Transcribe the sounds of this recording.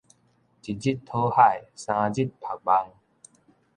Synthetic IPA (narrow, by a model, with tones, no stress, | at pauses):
t͡ɕi˨˩d͡ʑi˦t̚t̪ʰːo˦ha˥˩jsã˧d͡ʑi˦t̚pʰa˨˩k̚ba˧ŋ